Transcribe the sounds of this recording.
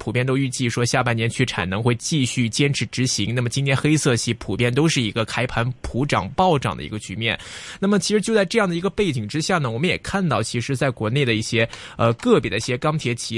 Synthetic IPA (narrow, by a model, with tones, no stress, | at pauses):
pʰu˨˩pjɛ˥˩nt̪o˥y˥˧t͡ɕi˥˩ʂwɔ˥ɕja˥˧pa˥˩njɛ˧˥nt͡ɕʰy˥˩ʈ͡ʂʰa̰˨˩nɤ˧˥ŋxwe˥˧ɪt͡ɕi˥˧ɕy˥˩t͡ɕjɛ˥nʈ͡ʂʰɻ̩˧˥ʈ͡ʂɻ̩˧˥ɕi˧˥ŋna˥˩mə˩t͡ɕi˥nt̪ʰjɛ˥nxe˥ɪsɤ˥˧ɕi˧˥pʰu˨˩pjɛ˥˩nt̪o˥ʊʂɻ̩˥˩i˧˥ɡə˧kʰa˥ɪpʰa˧˥npʰu˧˥ʈ͡ʂɑ̰˨˩ŋpɑ˥˧ʊʈ͡ʂɑ̰˥˩ŋd̪ə̰˩ḭ˧˥ɡə˧t͡ɕy̰˧˥mjɛ̰˥˩nna˥˩mə˩t͡ɕʰi˧˥ʂɻ̩˧˥jo˥˧t͡sa˥˧ɪʈ͡ʂɤ˥˧jɑ˥˩ŋd̪ə˩i˧˥ɡə˧pe˥˩ɪt͡ɕi˨˩ŋʈ͡ʂɻ̩˥ɕja˥˩nə˩wɔ˨˩mə˦jɛ̰˨˩kʰa˥˧nt̪ɑ˥˩ʊt͡ɕʰi˧˥ʂɻ̩˧˥t͡sa˥˩ɪkwɔ˧˥ne˥˩ɪd̪ə˩i˥˩ɕjɛ˥ | ə˧kɤ˥˩pjɛ˨˩d̪ə˦i˥˩jɛ˥kɑ˥ŋt̪ʰjɛ˧˥t͡ɕʰi˧˥